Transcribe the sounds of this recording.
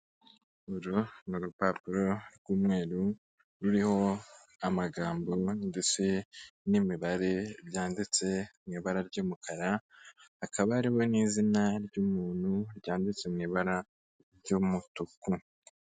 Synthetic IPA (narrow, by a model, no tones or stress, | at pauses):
oɾonuɾupapuɾo̞ɾɡuːmŋeːɾu | ɾuɾiho̞ | amaɡaːmbo̞nde̞t͡se̞nimiβaɾe̞ɾjaːndit͡se̞mŋiːβaɾaɾɟomukʰaɾahakaβaaɾiβo̞niːzinaɾɟuːmuːn̥huɾɟaːndit͡semŋiβaɾa | ɾɟomutuku